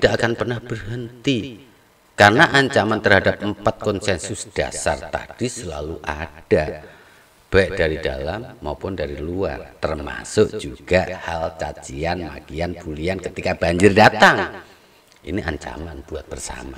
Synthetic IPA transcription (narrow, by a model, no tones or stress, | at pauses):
t̪id̥aʔakanpərnahb̥ərɦənt̪i | karnaʔaɲt͡ʃamant̪ərhadap̚əmpat̪̚kɔnsɛnsʊsd̥a̰sart̪a̰d̥isəlaluʔad̥a | b̥aɪʔd̥aɾidalamːaupʊndaɾilua̰rt̪ərma̰sʊʔd͡ʒuɡ̥ahalt͡ʃat͡ʃianma̰kianb̥uliankət̪ikab̥aɲd͡ʒɪrdat̪aŋ | ʔḭniʔaɲt͡ʃa̰manb̥uat̪̚b̥ərsa̰ma